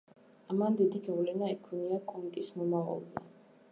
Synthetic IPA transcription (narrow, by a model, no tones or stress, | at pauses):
amand̪id̪iɡavlɛnaɛkʰuniakʼɔnt̪ʼismɔmava̰lˠzɛ̰